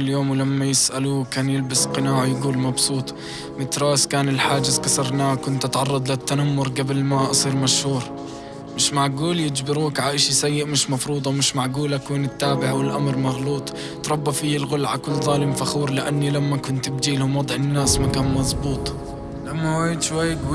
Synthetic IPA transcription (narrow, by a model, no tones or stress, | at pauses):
ljoːmwɪlamːajɪsʔalukaːnjɪlbɪsqɨnaːʕajɪɡuːlmɑbsˤuːt̪ˤ | mɪt̪ɾˤɑːskaːnɪlħaːd͡ʒɪzkɑsɑɾˤnaːkʊnt̪ʔɑt̪ʕɑrˤːɑd̪ˤlɪt̪ːanamːʊɾˤɡabɪlmaʔɑsˤiːɾmaʃhuːɾ | mɪʃmaʕɡuːljɪd͡ʒbɪɾuːkʕaʔɪʃisajːɪʔmɪʃmɑfɾuːd̪ˤɑmɪʃmaʕɡuːlʔakuːnɪt̪ːaːbɪʕawɪlʔamɾmaɣluːt̪ˤ | t̪ɾˤɑbːafiːɪlɣʊlʕakʊlːzˤɑːlɪmfaxuːɾlɪʔanːilamːakʊnt̪bd͡ʒiːlhʊmwɑd̪ˤʕɪnːaːsmakaːnmɑzˤbuːt̪ˤ | lamːawad̪ʃwajːɡu